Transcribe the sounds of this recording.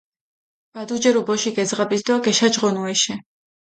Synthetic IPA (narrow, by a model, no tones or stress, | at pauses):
b̥ad̪ud͡ʒɛɾubɔʃiɡɛd̪zʁabisd̪aɡɛʃad͡ʒʁɔnuɛʃɛ